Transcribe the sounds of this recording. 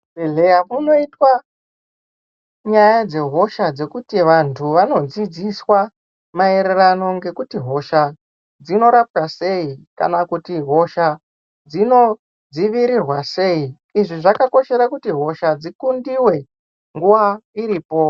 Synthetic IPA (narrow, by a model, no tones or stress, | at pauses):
eɮeamuno̞itwa | ɲajad͡ze̞ɦo̞ʃad͡ze̞kutiʋantʰuʋano̞d͡zid͡ziswa | mae̞ɾe̞rano̞ŋɡe̞kutiɦo̞ʃa | d͡zino̞ɾap̚tase̞ika̰nakutiɦo̞ʃa | d͡zino̞ | d͡ziʋiɾirwase̞i | iʐiʐakako̞ʃe̞ɾakutiɦo̞ʃad͡zikundiwe̞ | ŋɡuʋaiɾiːpo̞